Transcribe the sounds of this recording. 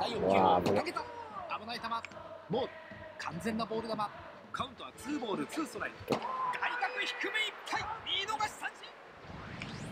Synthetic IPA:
d̪̥aijokaɡet̪aabɯnait̪amasbo̞ːɾɯ̟kʰãnd͡zẽ̞nːabo̞ːɾɯ̟d̪ama | kʰaɯ̟̃nt̪o̞βat͡sɨːbo̞ːɾɯt͡sɨːsoɾaɾʲiɡait̪akɯ̟çi̥kɯ̟meipʰːaiiːnoɡaɕi̥sãɲd͡ʑi

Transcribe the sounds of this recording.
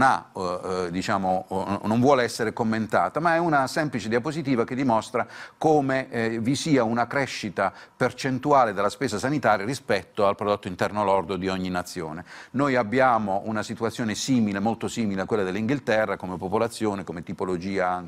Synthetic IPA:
na̰ | d̪it͡ʃaːmonoɱvwɔːleɛsːeɾekomːent̪a̰ːt̪amaɛunasɛmplit͡ʃed̪iapozit̪iːvak̟ed̪ːimɔst̪ɾakoːmevisiːaunakɾɛʃːit̪apert͡ʃent̪uaːled̪elːaspeːzasanit̪aːɾjaɾispɛt̪ːoalpɾod̪ot̪ːoint̪ɛrnoalɔrd̪od̪iɔɲːinat̪sːjoːnenojabːjaːmoʔunasit̪uat̪sːjoːnesiːmilemolt̪osiːmileakːwelːad̪elːiŋɡilt̪ɛrːakomepopolat̪sːjoːnekomet̪ipolod͡ʒiːaaŋ

